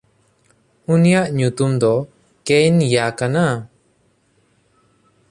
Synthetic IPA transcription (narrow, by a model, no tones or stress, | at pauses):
unijaʔɲut̪umd̪ɔ | kejnjakana